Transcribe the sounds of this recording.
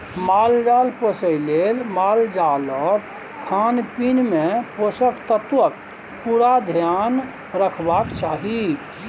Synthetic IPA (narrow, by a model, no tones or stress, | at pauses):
mald͡ʒaːlposəjlelmaːld͡ʒalɔːɾ | kʰanpinmẽposəkʰt̪ət̪wək | puɾad̪ʱjan | ɾəkʰbakt͡ʃaːɦi